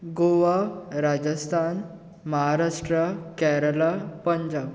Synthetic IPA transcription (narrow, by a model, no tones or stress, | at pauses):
ɡoʋaɾad͡ʑəst̪ʰan | məɦaɾaʂʈɾəkɛɾəlapəɲd͡ʑab